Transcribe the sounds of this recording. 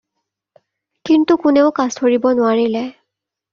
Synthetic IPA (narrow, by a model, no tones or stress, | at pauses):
kintukʊnɛʊkaztʰoɹibɔnʊwaɹilɛ